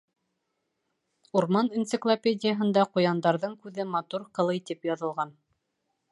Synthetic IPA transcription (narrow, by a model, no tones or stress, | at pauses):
uɾmɑnint̪sɘ̆klˠopʲedʲɪjəɦɤ̆nd̪ɑqŏjɑnd̪ɑɾðɤɴkʉðɘmɑt̪uɾqɤ̆lˠɤjt̪ipjɑðɤ̆lˠʁɑn